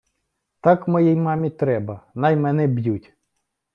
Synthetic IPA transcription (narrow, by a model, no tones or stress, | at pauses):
t̪ɑkmɔjɛjmɑmʲit̪ɾɛbɐnɑjmɛnɛbjutʲ